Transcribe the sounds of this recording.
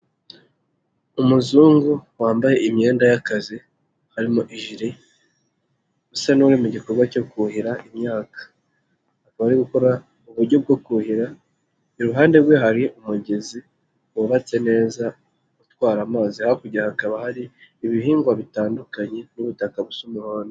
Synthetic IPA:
umuzuːŋɡuwaːmbaje̞imɲe̞ːndajakazi | haɾimoʔiʒiɾe | usanuɾimuɟiko̞ɾɡwaco̞kuhiɾaʔimɲaːkḁ | hakaβaɾiɡuko̞ɾa | uβuɾɟo̞b̚ɡo̞kuhiɾa | eɾuɦaːnde̞ɾɡwe̞ɦaɾiʔumuɟe̞zi | woβat͡se̞ne̞ːza | ɡutwaːɾamaːzihaakuɟiɾahakaβahaɾiːβiɦiːŋɡwaβitaːndukaɲe̞nuβutakaβusumuhaːndo

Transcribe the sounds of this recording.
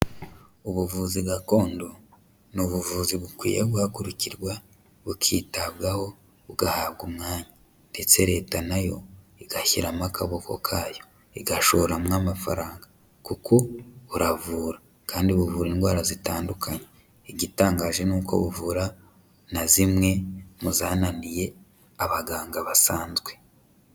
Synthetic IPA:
uβuvuːziɡako̞ːndo | nuβuvuːziβukwḭːjeɡuhakuɾuciɾɡwa | βukʰiːtaβɡaho̞ | βuɡahaβɡumŋaːɲa | nde̞t͡se̞ɾe̞ːtanajo̞̰ | iɡaçiɾamakʰaβokʰo̞̰kʰaːjo̞ | iɡaʃo̞ɾamŋamafa̰ɾaːŋɡa | kukʰo̞uɾavuːɾa | kaːndiβuvuːɾinɡwaːɾazitaːndukʰaɲe | iɟitaːŋɡaːʒe̞nuːko̞̰βuvuːɾa | nazimŋe̞muzaːnanije̞ | aβaɡaːŋɡaβasaːnzɡwe̞

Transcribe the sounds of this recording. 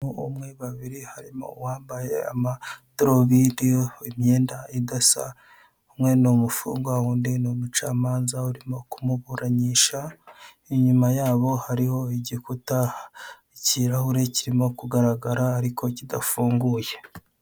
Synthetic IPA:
uumŋe̞βaβiɾihaɾimo̞̰waːmbajḛa̰madɾoβidioimɲeːndaidasa̰ | umŋe̞nomufṵːŋɡwawuːndinomut͡ʃaːmaːnzauɾimo̞kumuβuɾaɲiːʃa | iɲumajaːβo̞haɾiho̞iɟikutaiciɾahuɾe̞ciɾimo̞kuɡaɾaɡaɾaːɾikʰo̞cidafuːŋɡuje̞

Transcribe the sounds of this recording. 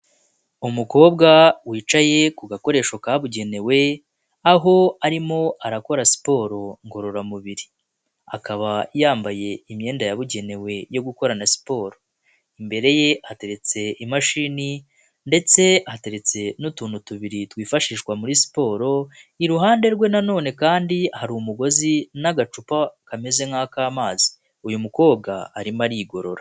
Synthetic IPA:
umuko̞ːbɡawiːt͡ʃaje̞kuɡako̞ɾe̞ːʃokaːβuɟe̞ne̞we̞ | aɦo̞aɾimo̞aɾako̞ɾasi̥po̞ːɾo̞ŋɡo̞ɾo̞ɾamuβiɾi | a̰kaβajaːmbaje̞imɲe̞ːndajaβuɟe̞ne̞we̞jo̞ɡuko̞ɾanasi̥po̞ːɾo | imbe̞ɾe̞je̞ʔate̞ɾe̞t͡se̞imaʃiːni | nde̞t͡se̞ate̞ɾe̞t͡se̞nutuːnutuβiɾitwiːfaʃiːʃɡwamuɾisi̥po̞ːɾo̞iɾuɦaːnde̞ɾɡwe̞nano̞ːne̞kaːndihaɾumuɡo̞zinaɡat͡ʃupakame̞ze̞ŋhaːkaːmaːzi̥ | ujumuko̞ːb̚ɡaːɾimaɾiɡo̞ɾo̞ɾa

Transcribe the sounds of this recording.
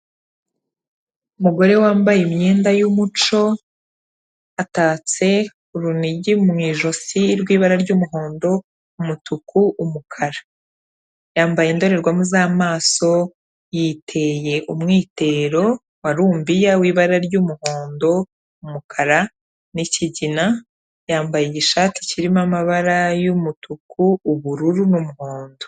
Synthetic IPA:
umuɡo̞ɾe̞waːmbajemɲiːndajumut͡ʃo̞ | ataːt͡se̞ | uɾuniɟimŋiːʒo̞siɾɡwiːβaɾaɾɟuːmuɦo̞ːndo̞ | umutukʰuʔumukʰaɾa | jaːmbajendo̞ɾe̞ɾɡwamuzaːmaːso̞ | jiːtʰe̞je̞ʔumŋiːte̞ɾo̞ | waɾuːmbijawiːβaɾaɾɟumuhoːndo̞ | umukʰaɾa | niciɟina | jaːmbajeɟiʃaːti̥ciɾimamaβaɾajumutukuːβuɾuɾunumuho̞ːndo̞

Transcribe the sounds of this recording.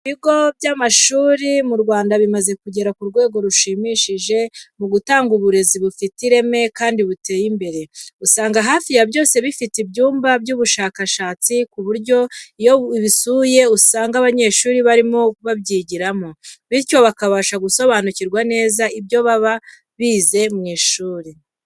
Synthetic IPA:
iβiɡo̞bjamaʃuːɾimuɾɡwaːndaβimaze̞kuɟe̞ɾakuɾɡwe̞ːɡo̞ɾuʃimiʃiʒe̞muɡutaːŋɡuβuɾe̞ziβufitiɾe̞me̞kaːndiβute̞ːjimbe̞ɾe̞usaːŋɡaɦaːfijabjo̞ːse̞βifitibɟuːmbabɟuːβuʃaːkaʃaːt͡sikuβuɾɟo̞oiβisuːje̞usaːŋɡaβaɲe̞ʃuːɾiβaɾimo̞βabɟiːɟiɾamo̞βiɾco̞βakaβaʃaɡuso̞βaːnuciɾɡwane̞ːzaibjo̞βaβa | βiːze̞mŋeʃuːɾi

